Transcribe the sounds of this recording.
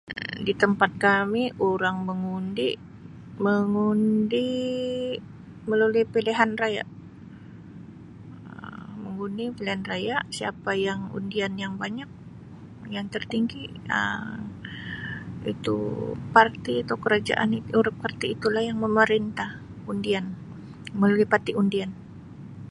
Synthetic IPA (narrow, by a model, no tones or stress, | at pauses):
dit̪əmpat̪̚kamiʔuɾaŋməŋundiʔ | məŋundi | məlolipeleɦanraja̰ʔ | əməŋundipeleɦanrajaʔsiapajaŋṵndianjaŋbaɲak̚ | jaŋt̪ərt̪iŋɡi | ə̰m | ḭt̪ṵpart̪iat̪awkəɾad͡ʒa̰ʔa̰niuɾɪp̚kərt̪iːt̪ulahjaŋməməɾint̪ah | undian | məlulipat̪iʔundian